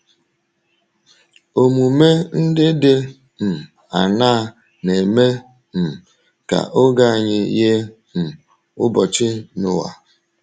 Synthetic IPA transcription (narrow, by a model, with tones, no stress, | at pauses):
o˨mu˨me˦n̩˦dɪ˦dɪ˦ | m̩˨ | a̰˨na˦ | ne˨me˦ | m̩˨ | ka̰˨ʔo˦ɡa˦a˨ɲɪ˦je˦ | m̩˨ | ʊ̰˦bɔ˨t͡ʃɪ˦nʊ˨wa̰˨